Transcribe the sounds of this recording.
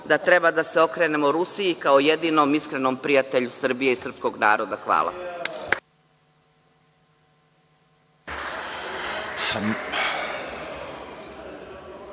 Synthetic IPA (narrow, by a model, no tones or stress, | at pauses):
d̪at̪ɾe̞bad̪aseo̞kɾe̞ːne̞moɾusiikaoje̞d̪iːno̞miskɾe̞no̞ːmpɾijat̪eʎusr̩bije̞isr̩psko̞ɡna̰ːɾo̞d̪axʋa̰ːla̰